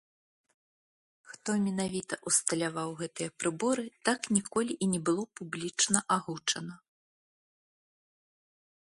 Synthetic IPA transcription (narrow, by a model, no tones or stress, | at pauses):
xt̪ɔmʲɛnavʲit̪ɐʔust̪ɐlʲavawɣɛt̪ɨjɐpɾɨbɔɾɨt̪aknʲikɔlʲiʔinʲɛbɨlˠɔpublʲit͡ʂnɐʔaɣut͡ʂɐnɐ